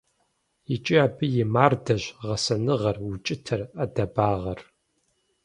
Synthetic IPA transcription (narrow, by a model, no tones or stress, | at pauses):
jɪt͡ʃʼiaːbɨjɪmaːrdɐʑʁɐsɐnɨʁɐrwʊt͡ʃʼɪtʰɐrɐdɐbaːʁɐr